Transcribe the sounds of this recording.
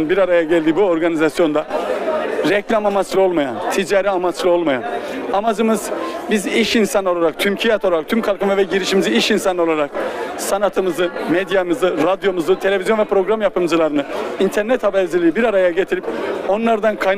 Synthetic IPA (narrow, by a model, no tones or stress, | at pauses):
nbiɾaɾajaɟɛlʲd̪ibuo̞ɾɡanizasjo̞nd̪a | ɾɛclʲamamat͡ʃlˠɯo̞lˠmaja̰nt̪ʰid͡ʒaːɾɛamat͡ʃlˠɯo̞lˠmaja̰namad͡ʒɯmɯzbiziʃinsano̞lˠaɾak̚t̪ʰymcʰijat̪ʰo̞lˠaɾakt̪ʰymkʰalˠkʰɯmavɛɟiɾiʃimiziiʃinsano̞lˠaɾak̚sanat̪ʰɯmɯzɯmed̪jamɯzɯɾad̪jo̞muzɯt̪ʰe̞lʲe̞vʲizjo̞nvɛpɾo̞ɡɾamjapʰɯmd͡ʒɯlˠaɾɯnɯint̪ʰɛɾnɛt̪habɛɾzilʲijibiɾaɾajaɟet̪ʰiɾipo̞nlˠaɾd̪ankʰajn